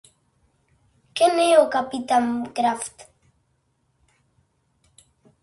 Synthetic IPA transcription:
keneokapitankɾaft

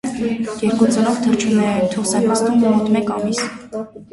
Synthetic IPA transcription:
jɛɾkut͡sənɔvt̪ʰərt͡ʃʰunɛɾɛnt̪ʰɔχsɛmɑst̪umːɔɾɔt̪mɛkɑmis

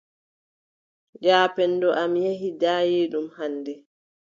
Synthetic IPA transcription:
d͡ʒaːpɛndɔʔamjeɦidaːjeːɗumhandɛ

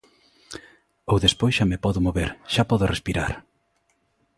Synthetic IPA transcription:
owðespojsʃamepɔðʊmoβeɾʃapɔðʊrespiɾa̰ɾ

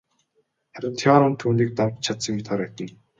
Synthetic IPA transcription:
χæɾʲə̆t̪ʰʲɔːɾənt̪ʰuːniːk̚t̪awt͡ɕt͡ɕʰat̪sə̆ŋt̪ʰaɾæt̪ə̆n

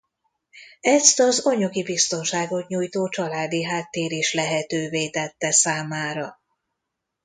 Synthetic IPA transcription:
ɛst̪ɒzoɲɒɡibist̪o̞nʃaːɡo̞t̪ɲuːjt̪oːt͡ʃɒlaːd̪iɦaːt̪ːeːɾiʃlɛɦɛt̪øːveːt̪ɛt̪ːɛsaːmaːɾɒ

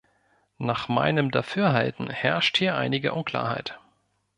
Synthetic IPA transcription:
naːχma̰ɪnəmdafyːɐɦaltn̩hɛɐʃthiːɐʔa̰ɪnɪɡə̰ʔʊnkʰl̥a̰ːɐha̰ɪt

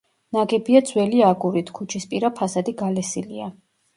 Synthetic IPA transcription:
naɡɛbiad̪z̥wɛliaɡuɾit̪ʰkʰut͡ʃʰispʼiɾapʰasad̪iɡalɛsilia

